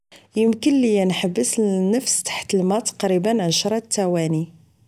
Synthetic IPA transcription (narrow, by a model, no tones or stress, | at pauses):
jəmkənlijænħəbːəsnːəfst̪ḁħt̪əlmɑt̪ːɑ̥qɾibənʕaʃɾˤɑt̪ːæwæni